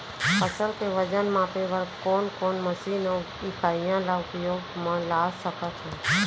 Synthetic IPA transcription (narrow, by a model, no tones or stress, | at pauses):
əsəlkeʋəd͡ʒənmãpeʋəɾkoːnkoːnməsinəʊ | ikʰaːɪjãlaʊkjoːɡmãlaːsəkʰət̪ʰɛ̃ː